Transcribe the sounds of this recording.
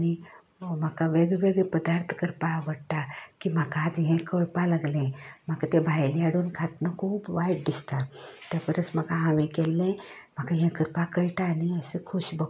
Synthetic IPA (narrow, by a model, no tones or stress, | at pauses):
ani | m̤akaʋeɡʋeɡɭɛpəd̪aɾt̪ʰkəɾpaʋəɽt̪akim̤akaːd͡zɦɛ̃kəɭpalaɡlɛ̃m̤akat̪ebʱajliaɽuːnkʰat̪nəkʰuːbʋajʈ̚d̪ist̪at̪japəɾəsm̤akaɦaʋẽkɛlːɛ̃ | m̤akaɦɛ̃kəɾpakəɾʈaːniəsəkʰuɕbə